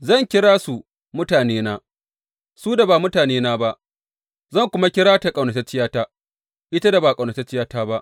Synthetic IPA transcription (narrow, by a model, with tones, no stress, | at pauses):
zɐ˦˨ŋkʲɪ˦ɽaː˦su˨ | mʊ˦taː˨neː˦naː˦ | suː˦da˨baː˨mʊ˦taː˨neː˦naː˦ba˦ʔ | zɐ˦˨ŋkʷʊ˦ma˦kʲɪ˦ɽaː˦ta˨kʼɐ˨wnɐ˨ta˦t͡ʃɪ˦jaː˦taː˦ | ʔɪ˦ta˦da˨baː˨kʼa˨nɐ˨ta˦t͡ʃɪ˦jaː˦taː˦ba˦ʔ